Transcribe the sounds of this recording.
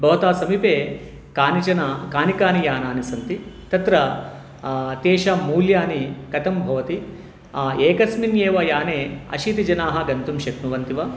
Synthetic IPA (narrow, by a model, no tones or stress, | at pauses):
bʱɐːt̪aːsɐmipeː | kaːnit͡ʃɐnakaːnikaːnijaːnaːnisɐnt̪it̪ɐt̪ɾɐ | t̪eːʃamuːljaːnikɐt̪ɐmbʱɐʋɐt̪i | eːkɐsminjeːʋɐjaːneːɐ̰ʃit̪id͡ʒɐnaːɦɐɡɐnt̪umʃɐknuʋɐnt̪iʋɐ